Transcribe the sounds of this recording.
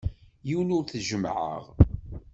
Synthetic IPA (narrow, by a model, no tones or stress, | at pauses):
jiwnʊɾθʒəmʕə̰ʁ